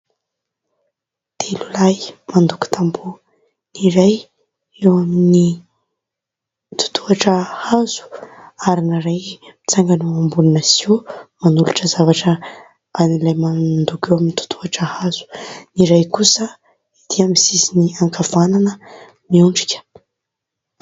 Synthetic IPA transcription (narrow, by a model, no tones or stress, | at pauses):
t̪elulajmand̪uku̥t̪ʰambu | niɾaj | ewamini | t̪u̥t̪ʰuaʈ͡ʂəhaz̥u̥aɾinaɾajmit͡saŋɡanoambulunasiwmanuluʈ͡ʂəzavaʈ͡ʂə | anilajmand̪ukewaminit̪u̥t̪ʰuaʈ͡ʂəhaz̥u̥niɾajkusə | id̪̥iamisisiniaŋkʰavananə | miuɳɖ͡ʐi̥kʲə̥